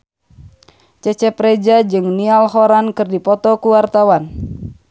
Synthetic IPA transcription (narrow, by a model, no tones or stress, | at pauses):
t͡ʃɛt͡ʃɛpɾɛd͡ʒad͡ʒɨŋnialɦoɾankɨrdipɔt̪ɔkuwart̪awan